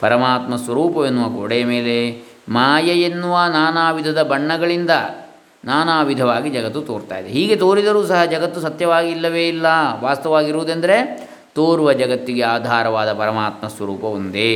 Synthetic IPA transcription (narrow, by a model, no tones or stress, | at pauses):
pɐɾɐmaːt̪mɐsʋɐɾuːpɐʋenːuʋɐkoɽejɐmeːle | maːjɐjenːuʋɐnaːnaːʋid̪ʱɐd̪ɐbɐɳːɐɡɐɭind̪ɐ | naːnaːʋid̪ʱɐʋaːɡid͡ʒɐɡɐt̪ːut̪oːɾt̪a̰ːjid̪eɦiːɡe̞t̪oːɾid̪ɐɾuːsɐɦɐd͡ʒɐɡɐt̪ːusɐt̪jɐʋaːɡiilːɐʋeːilːɐʋaːst̪ɐʋaːɡiɾuːd̪end̪ɐɾe | t̪oːɾuʋɐd͡ʒɐɡɐt̪ːiɡe̞aːd̪ʱaːɾɐʋaːd̪ɐpɐɾɐmaːt̪mɐsʋɐɾuːpɐʋond̪e